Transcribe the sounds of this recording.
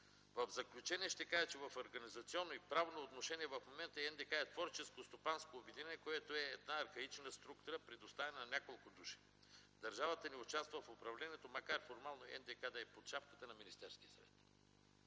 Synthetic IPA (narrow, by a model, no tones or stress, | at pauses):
vɐvzɐklʲut͡ʃɛniɛʃt̪ɛkaʒɛt͡ʃɛvɐfoɾɡɐnizɐt̪siɔnːoipɾavnoːt̪noʃɛniɛvɐfmomɛnt̪əɛnd̪ɛkaɛt̪vɔɾt͡ʃɛskost̪opanskoːbɛd̪inɛnɛkoɛt̪oɛːd̪naɐɾxɐit͡ʃnəst̪ɾukt̪ʊɾəpɾɛd̪ost̪avɛnənɐnʲakolˠkʊd̪uʃi̥ | d̪ɐɾʒavət̪əniʊt͡ʃast̪vəfopɾɐvlʲɛniɛt̪omɐkaɾfoɾmalˠnoɛ̰nd̪ɛkad̪ɐɛpot̪ʃapkə̥t̪ənɐminist̪ɛɾskiəsɐvɛ̰t̪